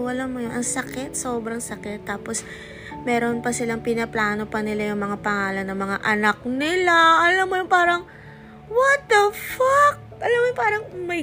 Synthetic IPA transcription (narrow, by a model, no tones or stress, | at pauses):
wɐlanmojonʔɐŋsɐkɪt̪̚soːbɾɐŋsɐkɪt̪ːaːpo̞s | mɛːɾo̞npɐsɪlaŋpɪnɐplaːno̞pɐnɪlajʊŋmɐŋapɐŋaːlɐnːɐŋmɐŋa̰ʔɐnɐk̚nɪlaʔɐlɐmːojoŋpaːɾɐŋ | wɐt̪̚ɐfɐk̚ʔɐlɐmːojʊŋpaːɾɐŋmɐj